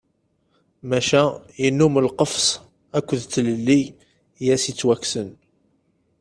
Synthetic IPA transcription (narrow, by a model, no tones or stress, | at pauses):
mæʃæjənːuməlqəfs | ækʷːəðt͡sːləlːi | jæsit͡sːwæksən